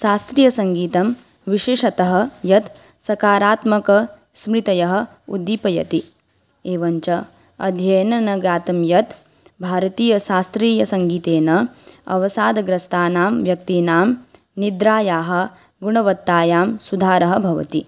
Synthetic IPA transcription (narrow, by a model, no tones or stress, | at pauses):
ʃaːst̪ɾijɐsɐŋɡiːt̪ɐm | ʋiʃeːʂɐt̪ɐɦɐ̆jɐt̪ | sɐkaːɾaːt̪mɐkɐ | smɾit̪ɐjɐɦɐ̆ | ṵd̪ːipɐjɐ̰t̪i | eːʋɐɲt͡ʃɐ | ɐ̰d̪ʱjɐjɐnɐnɐɡaːt̪ɐmjɐt̪ | bʱaːɾɐt̪iːjɐʃaːst̪ɾiːjɐsɐŋɡiːt̪eːnɐɐ̰ʋɐsaːd̪ɐɡɾɐst̪aːnaːmʋjɐk̚t̪inaːm | nid̪ɾaːjaːɦɐ̆ | ɡuɳɐʋɐt̪ːaːjaːmsud̪ʱaːɾɐɦɐbʱɐʋɐ̰t̪i